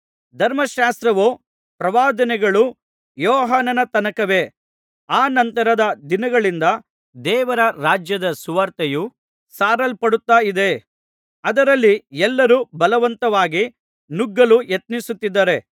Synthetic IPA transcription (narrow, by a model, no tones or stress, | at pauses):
d̪ʱɐɾmɐʃaːst̪ɾɐʋoː | pɾɐʋaːd̪ɐnɛɡɐɭu | jɔːɦaːnɐnɐt̪ɐnɐkɐʋe̞ | aːnɐnt̪ɐɾɐd̪ɐd̪inɐɡɐɭind̪ɐ | d̪ɛːʋɐɾɐɾaːd͡ʒjɐd̪ɐsuʋaːɾt̪eju | saːɾɐlpɐɽut̪ːaːid̪e̞ | ɐd̪ɐɾɐlːiɛlːɐɾubɐlɐʋɐnt̪ɐʋaːɡi | nuɡːɐlujet̪̚nisut̪ːid̪ːɐɾe̞